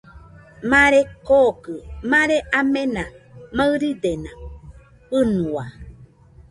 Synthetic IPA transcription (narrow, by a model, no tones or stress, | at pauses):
mãɾekokɨmãɾeʔamẽnãmaɨɾid̪enã | pɨnũa